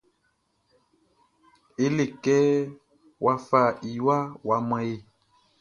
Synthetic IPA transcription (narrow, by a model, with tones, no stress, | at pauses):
e˦le˨kɛ˦ | wʔa˦fa˨i˨wa˦wa˨mã˦e˦˨